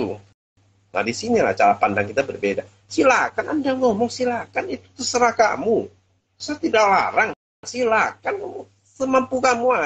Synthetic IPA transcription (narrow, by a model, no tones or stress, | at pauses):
na̰disinila̰t͡ʃaɾapandaŋkit̪abərbeda | silakanandaŋɔmɔŋsilakanit̪u̥t̪əsəɾahka̰mu | sat̪idakla̰ɾaŋ | silakan | səmampukamua